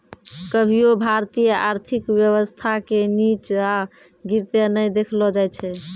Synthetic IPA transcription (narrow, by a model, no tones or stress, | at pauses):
kəbʱiobʱaɾt̪ijəaɾt̪ʰikwjəβəst̪ʰakenit͡ʃa | ɡiɾt̪enəjd̪ekʰlɔd͡ʒajt͡ʃʰɛ